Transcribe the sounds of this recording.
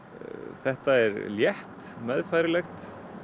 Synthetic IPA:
θɛht̪aɛɾljɛht̪ | mɛðfajɾɪlɛxt̪

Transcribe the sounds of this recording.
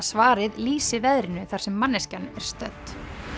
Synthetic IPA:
svaːɾɪðliːsɪvɛðɾɪnʏθaɾ̥sɛmːanːɛscanɛɾ̥st̪œt̪

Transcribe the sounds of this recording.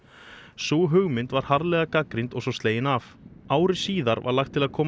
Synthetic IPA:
suɦʏɣmɪnt̪vaɾ̥haɾlɛːɣakakɾint̪ɔɣsɔst̪eːjɪnav | aːwɾɪ̥siːðaɾva̰ɾlaxt̪ʰːɪlaðkʰɔːm

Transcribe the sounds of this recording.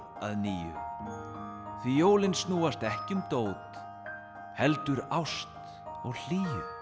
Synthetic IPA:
a̰ðniːjʏ̰ | θvijoːwlɪnsnuːast̪ɛhcɪʏmt̪oːwt̪ | hɛlt̪ʏɾawst̪ | ɔɣl̥iːjʏ

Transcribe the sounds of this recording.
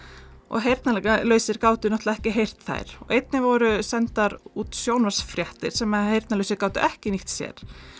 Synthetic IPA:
ɔ̰ɣɦejɾt̪nalɛalœːɥsɪɾkaːwt̪ʏnɔht̪laɛhcɪɦejr̥t̪θa̰jɾ̥ɔ̰ɣejt̪nɪvɔɾʏsɛnt̪aɾuːt̪sjownvar̥sfɾjɛht̪ɪɾ̥sɛmahejɾt̪nalœɥsɪɾkaːwt̪ʏ̰ʔɛhcɪniht̪sjɛ̰ɾ̥

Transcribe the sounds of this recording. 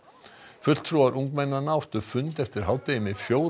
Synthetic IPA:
fʏt̪l̥t̪ʰɾuaɾʔũŋkmɛnːanawht̪ʏfʏnt̪ɛft̪ɪɾ̥ɦalt̪ejɪmɪðfjoːw

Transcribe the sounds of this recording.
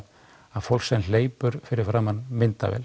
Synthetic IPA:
aðfowlsɛnleːjpʏɾ̥fɪɾɪɾ̥fɾaːmanːmɪnt̪a̰vɛ̰ːl

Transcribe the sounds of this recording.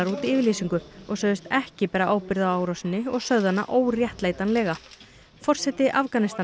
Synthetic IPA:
aɾuːt̪iɪːvɪɾliːsiŋkʏɔɣsœːðʏst̪ɛhcɪpɛːɾaʔaːwpɪɾðawaːwɾɔsɪnːɪɔɣsœððanːa̰ʔoːwrjɛht̪leːjt̪anlɛːɣa | fɔr̥sɛt̪ɪʔafkanɪst̪a

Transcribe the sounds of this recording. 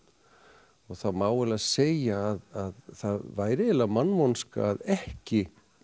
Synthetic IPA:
ɔɣθaðmaːwɛlaðseːjaːðaðθaðvaːjɾɪɪlamanːvɔnska̰ːðɛhcɪ

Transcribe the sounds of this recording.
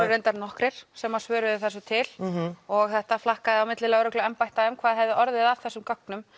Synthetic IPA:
ɾejnt̪aɾnɔhkɾɪɾ̥sɛmḁsvœːɾʏðɪθɛsːʏt̪ʰɪlɔɣθɛht̪aflahkaðɪawmɪt̪lɪlɛɣɾʏklʏɛmpajht̪aʏmkʰvaːðɦɛvðɪʔɔɾðɪðavθɛsːʏmkœknʏm

